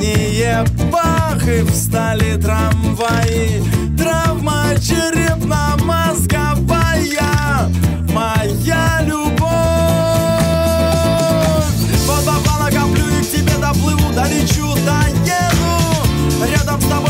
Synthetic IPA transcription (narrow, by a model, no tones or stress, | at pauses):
ɪjebaxɨfst̪alʲɪt̪ɾɐm | vajɪ | t̪ɾavma | t͡ɕɪɾʲɪpnamɐskɐ | vaja | mɐjalʲʊbo | fʲ | vɔt̪b̪avˠanɐɡɐblʲuɾʲɪk̚tʲɪbʲed̪ɐplˠɨvud̪ɐlʲit͡ɕʊd̪ɐjɛnʊ | ɾʲad̪əmst̪abo